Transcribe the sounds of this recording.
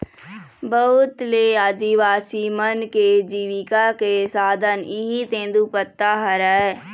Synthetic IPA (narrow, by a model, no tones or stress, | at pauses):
bəɦʊt̪leaːd̪iʋaːsimənked͡ʒiːʋɪkakesaːd̪ʱənɪɦit̪ẽːnd̪upət̪ːaɦəɾəɛ